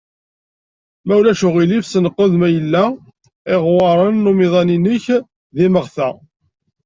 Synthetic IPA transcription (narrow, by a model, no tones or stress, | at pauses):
mæwlæʃʊʁilivsənəqːoðmæjəlːæ | ɪʁwɑɾˤənːumiðˤɑninəç | ðiməʁθæ